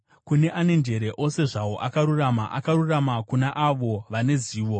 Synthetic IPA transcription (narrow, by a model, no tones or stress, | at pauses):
kune̞ʔane̞nd͡ʒe̞ɾe̞ʔo̞se̞ʐawo̞ʔakaɾurama̰ʔakaɾuramakunaʔaʋo̞ʋane̞ziːʋo̞